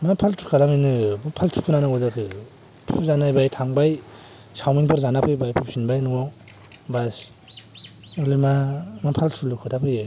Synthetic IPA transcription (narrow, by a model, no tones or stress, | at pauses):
mapʰaltʰukʰalaminɯbɯpʰaltʰu̥kʰɯnanaɡɔdakʰɯ | tʰuzanajbajtʰaŋbaj | sawmiŋpʰɯɾzanapʰɯjbajpʰɯpsinbajnuwa | bas | ɯlimamapʰaltʰulukʰɯtʰapʰɯjɯ